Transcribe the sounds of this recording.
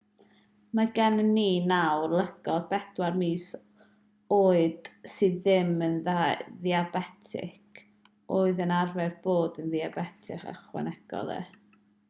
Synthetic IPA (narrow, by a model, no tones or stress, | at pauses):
maɡɛnənːiːnawrlˠəɡ̥ɔðbɛd̥warmiːs | oːɨd̥sɨðɪmənðaðiabɛtʰɪ̰kʰ | oːɨðənarvɛrb̥oːdənðiabɛtʰɪ̰χa̰χwɛ̰nɛɡ̥ɔ̰lˠɛ̰